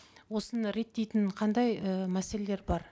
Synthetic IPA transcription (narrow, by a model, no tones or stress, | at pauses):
wo̞sənəɾe̞t̪ːe̞jt̪ɪnqʰɑnd̪ɑjəmæse̞lele̞ɾbɑɾ